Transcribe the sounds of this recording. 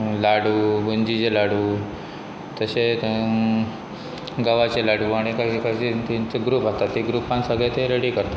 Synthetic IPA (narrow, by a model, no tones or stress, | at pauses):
laɽuːbund͡ʑit͡ɕelaɽuː | t̪əse | ɡaʋat͡ɕelaɽuaɽ̃ikaɦikaet̪int͡seɡɾupɦat̪at̪ːiɡɾupãnsəɡɭet̪eɾeɽiːkəɾt̪a